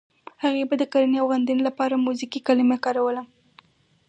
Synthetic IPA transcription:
haɣebad̪əkaɾanawɣand̪ənolapɑɾamuzikikalimahkɑɾawəla

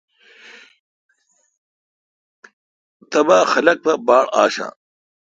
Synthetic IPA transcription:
t̪ɐbaxɐlɐk̚pɐbaːɽa̰ːɕã̰ː

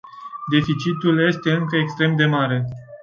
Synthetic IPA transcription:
d̪e̞fit͡ʃit̪ulje̞st̪e̞ɨŋkəekst̪ɾe̞md̪e̞maɾe̞

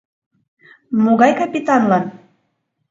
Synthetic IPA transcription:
moɣɑjkɑpʲit̪ɑnlɑn

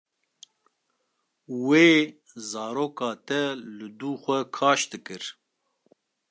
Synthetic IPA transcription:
weː | zɑːɾoːkɑːt̪ɛlɨd̪uːxʷɛkʰɑːʃd̪ɨkɨɾ

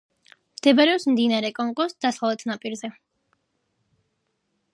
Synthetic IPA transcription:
md̪̥ɛbaɾɛɔpsmd̪inaɾɛkʼɔŋkʼɔsd̪̥asalˠɛt̪ʰnapʼiɾzɛ

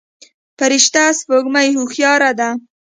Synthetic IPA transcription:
paɾɪʃt̪aspoɡmajhuxjɑɾad̪a

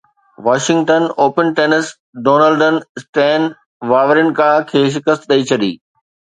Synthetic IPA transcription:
ʋaːʃɪ̃ŋɡʈənoːpənʈeːnəs | ɖoːnəlɖən̆sʈɛ̃ːn | ʋaːʋəɾɪn̆kaːkʰeːʃ̬ɪkəst̪ɗɐit͡ɕʰɐɗḭː

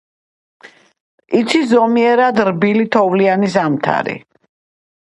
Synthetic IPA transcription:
it̪sʰizɔmiɛɾad̪ɾbilit̪ʰɔvlianizamt̪ʰa̰ɾḭ

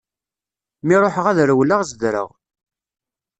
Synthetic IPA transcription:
miɾˤoħəʁæðɾəwləʁzəd̪ɾə̰ʁ

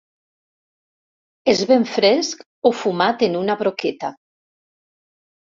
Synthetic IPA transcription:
ezβeɱfɾesk | ofumat̪enunaβɾoket̪a

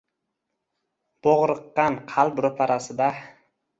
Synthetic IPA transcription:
b̥oʁɾɨqːɑnqʰɑlˠbɾʊpʰaɾasɪd̪a

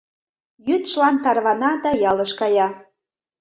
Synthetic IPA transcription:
jyt̪ʃlɑnt̪ɑrβɑnɑd̪ɑjɑləʃkɑjɑ

